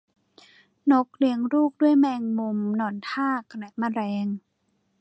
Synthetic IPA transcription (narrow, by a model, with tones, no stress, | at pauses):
no˦˥k̚li˧əŋɾuː˥˩k̚du˥˩əjmɛː˧ŋmo˧mnɔː˧˩nt̪ʰaː˥˩kʰa˧˩na˨˩maː˧˥˩ɾɛː˧ŋ